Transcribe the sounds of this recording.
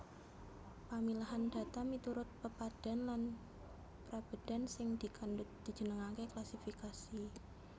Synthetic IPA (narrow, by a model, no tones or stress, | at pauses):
pamilaɦand̥̪a̤t̪amit̪uɾʊt̪̚pəpad̥a̤nlan | pɾab̥ə̤d̥a̤nsɪŋd̪̥ikandʊt̪̚d̪̥i̤̥ʒ̥ənəŋakeklasifikasi